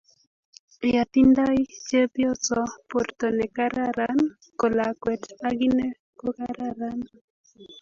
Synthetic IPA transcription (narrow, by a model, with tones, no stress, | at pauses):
eja˨t̪ind̪a˦jt͡ʃe˦pjo˦t͡so˨po˨ɾt̪o˨nɛ˨kaɾaɾan | ko˨lakwɛ˨taɡine˦ | ko˦kaɾaɾan